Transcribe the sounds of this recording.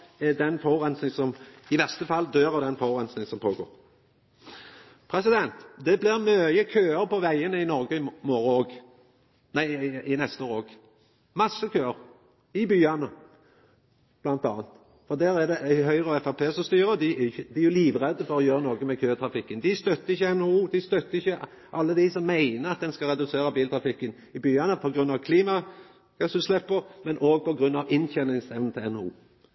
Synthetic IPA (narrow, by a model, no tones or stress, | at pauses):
ɛd̪ɛnfɔʁɛnsnɪŋsɔmɪʋæʁst̪əfɑlːd̪øːʁɑd̪ɛnfɔʁɛnsnɪŋsɔmpʰoːɡo̰ːɾ | pʰɾɛsɪd̪ɛnt̪d̪ɛblɪʁmøːjəkʰøːəɾpɔʋæɪənəɪnɔʁɡəɪmoːɾəoːɡ | næɪɪnɛst̪əoːʁɾoːɡ | mɑsːəkʰøːəɾ | ɪbyːɑnə | b̥lɑnt̪ɑːnt̪ | fɔʁd̪æːɾæd̪ɛʔæɦœʏʁəɔɛfæpʰeːsɔst̪yːɾəd̪ɪæɪçːəd̪ɪæɾjʊliːʋʁɛd̪əfɔɾɔjøːɾənoːɡəmɛkʰøːt̪ʰɾɑfɪkːənd̪ɪst̪œt̪ːəɪçəɛnːouːd̪ɪst̪œt̪ːəɪçːə | ʔɑlːəd̪ɪsɔmːæɪnəɾɑt̪̚d̪ɛnskɑɾɛd̪ʉseːɾəbiːlt̪ʰɾɑfɪkːən | ɪbyːɑnəpʰɔɡʁʉnːɑʋkʰliːmɑ | ɡ̥ɑsʉslɛpːəʁmɛnʔoːɡ̚pɔɡʁʉnːɑʋɪnçɛnɪŋsɛʋnn̩t̪ʰɪlɛnṵː